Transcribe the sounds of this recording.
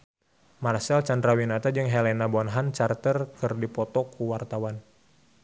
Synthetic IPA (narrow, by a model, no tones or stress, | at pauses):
marsɛlt͡ʃand̪ɾawinat̪ad͡ʒɨŋɦɛlɛnabɔnɦant͡ʃart̪ərkɨrdipɔt̪ɔkʰuwart̪awan